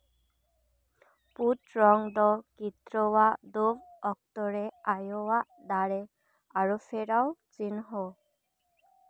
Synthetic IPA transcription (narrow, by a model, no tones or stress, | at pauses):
put̪ɾɔŋd̪ɔkit̪ɾɔwaʔd̪obɔk̚t̪ɔɾɛajɔwaʔd̪aɽɛ | aɾupʰeɾawt͡ʃinɦɔ